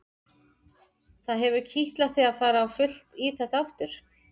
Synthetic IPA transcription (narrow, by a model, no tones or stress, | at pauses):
θaðɦɛvʏcʰiht̪laθiaðfaːɾaːwfʏl̥t̪iθɛht̪aaft̪ʏɾ̥